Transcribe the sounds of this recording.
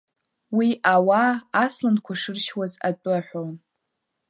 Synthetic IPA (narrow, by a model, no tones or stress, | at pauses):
wiawaːslankʷʰaʂɨrʃwaza̰tʷʼɨaħʷᶣown